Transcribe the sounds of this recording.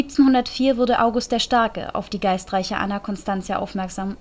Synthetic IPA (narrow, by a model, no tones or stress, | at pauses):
ip̚t͡snhʊndɐtfiːɐvʊɐdəʔaʊɡʊst̚d̥eːɐʃtɛɐkə̰ʔa̰ʊfd̥iːɡaɪstʁ̥aɪçəʔa̰nakʰɔnstant͡sjaʔa̰ʊfmɛɐkz̥am